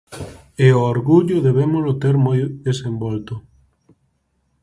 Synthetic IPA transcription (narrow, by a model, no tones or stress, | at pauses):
eooɾɣuʎʊðeβemʊlot̪eɾmɔjðesembɔlt̪ʊ